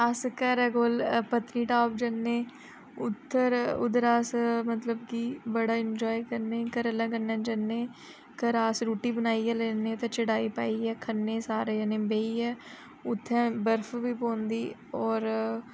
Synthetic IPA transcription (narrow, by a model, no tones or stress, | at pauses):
əskəɾɛɡoːlpət̪niːʈaːp̚d͡ʒənːẽː | ʊt̪ʰːəɾʊ̰d̪əɾaːsmət̪ləbkiːbəɽaːɪnd͡ʒɔːikəɾnẽːkəɾəlɛ̃ːkənɛ̃ːd͡ʒənːẽː | kəɾaːsɾuːʈiːbənaːiɛleːnẽt̪ẽːt͡ʃəɽaːipa̰ːiːɛːkʰənːẽːsaːɾejaːnẽːbeːiːɛː | ʊt̪ʰːɛ̃ːbəɾfʰʋiːpõːnd̪iːɔːɾ